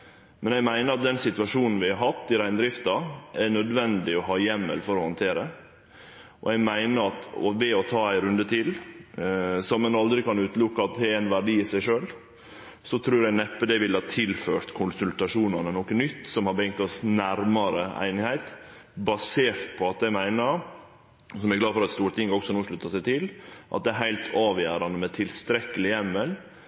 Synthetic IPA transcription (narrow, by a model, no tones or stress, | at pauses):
mʔɛnɛɡmæɪnəɾɑt̪̚d̪ɛnsɪt̪ʋɑʂuːnn̩ʋɪhɑɾɦɑt̪ːɪɾæɪnd̪ɾɪft̪ɑæɳœd̪ʋɛnd̪ɪɔɦɑːjɛmːə̰lfɔɾɔhɔnt̪ʰeːɾə | ʔɔ̰ɛɡmæɪnəɾɑt̪ɔ̰ʋɛɔt̪ʰɑːæɪɾʉnd̪ət̪ʰɪl | sɔmːɛnɑld̪ɾɪkɑnʉːt̪lʊkːəɑt̪̚d̪ɛɛnʋæɖiːɪsæɪʂøːl | sɔt̪ʰɾʉːɾænɛpːəd̪ɛʋɪlhɑːt̪ʰɪlføːɾt̪kʰʊnsʉlt̪ɑʂuːnɑnənɔkːənnʏt̪ːsɔmhɑɾbəɪŋt̪ɔsnæɾmɑɾəæ̰ɪnɪhæɪt̪ | bɑseːɾt̪pʰɔɑt̪̚d̪æɪmæɪnəɾ | sɔmæɾɡlɑːd̪fɔɾɑt̪st̪uːɾt̪ʰɪŋɡɔksɔnoːʂɭʉt̪ːɑsæɪt̪ʰɪlʔɑ̰t̪̚d̪ɛːɦæɪlt̪ʰɑːʋjæːɾɑnd̪əmɛt̪ʰɪlst̪ɾɛkːəlɪjɛmːəl